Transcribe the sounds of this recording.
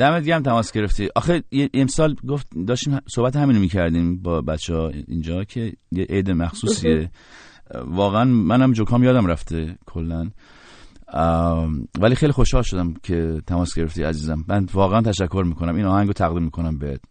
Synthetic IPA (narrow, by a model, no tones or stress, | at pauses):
d̪̥æmed̪iɡeæmt̪ʰæmɒːsɡe̞ɾeft̪iʔɒ̰xejeʔemsɒːlɡoft̪̚d̪ɒːʃt̪iːmsohbæt̪̬hæmiːnomiːcʰæɾd̪iːmbɒːbæt̪t͡ʃʰːehḭnd͡ʒɒːkʰe̞jeʔejd̪emæxsuːsie | vɒːɣeænmænhæmd͡ʒokʰɒːmjɒːd̪æmɾæft̪ekʰolːæn | væliːxejlixo̞ʃhɒːlʃod̪æmcʰet̪ʰæmɒːsɡeɾe̞ft̪iæ̰ziːzæmːænvɒːɣeænt̪ʰæʃækʰːo̞ɾmiːkʰonæmiːnɒːhæŋɡot̪ʰæɣd̪iːmːiːkʰo̞næmbeet̪